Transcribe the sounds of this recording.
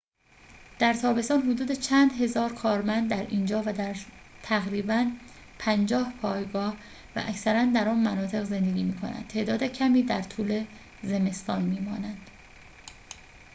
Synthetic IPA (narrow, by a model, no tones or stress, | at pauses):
d̪̥æɾt̪ʰɒːbe̞st̪ɒːnɦod̪uːd̪et͡ʃʰæːnd̪ɦe̞zɒːɾkʰɒːɾmænd̪̚ːæɾiːnd͡ʒɒːvæd̪æɾ | t̪ʰæɣɾiːbæn | pʰænd͡ʒɒːhpʰɒːjɡɒːh | væ̰ʔæcsæɾænd̪æɾɒːnmænɒːt̪ʰe̞ɣze̞nd̪eɡʲiːmiːkʰo̞̰næ̰n̥̚t̪ʰe̞ːd̪ɒːd̪ecʰæmiːd̪æɾt̪ʰuːle̞ | ze̞me̞st̪ɒːnmiːmɒːnænd̪̥